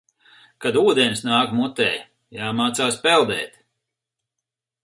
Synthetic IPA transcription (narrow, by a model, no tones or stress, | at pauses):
kad̪uːd̪enʲsnaːkmut̪ɛː | jaːmaːt̪saːspɛlˠd̪ɛ̰ːt̪